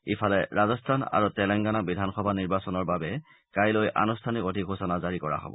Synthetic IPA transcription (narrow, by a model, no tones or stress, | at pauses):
ifʰalɛɹazɔstʰana̰ɹutɛlɛŋɡanabidʱanxɔbʱaniɹbasɔnɔɹbabɛ | kajlojʔa̰nustʰanikodʱiɡʱosɔnazaɹikɔɹa̰ɦɔ̰bɔ̰